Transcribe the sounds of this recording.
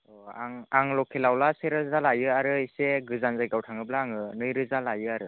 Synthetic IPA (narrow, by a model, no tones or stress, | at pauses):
ɔaŋaŋlɔkʰilawlaseɾɯzalajɯaɾɯiseɡɯzanzajɡawtʰaŋɯblaːŋɯnɯjɾɯzalajɯaɾɯ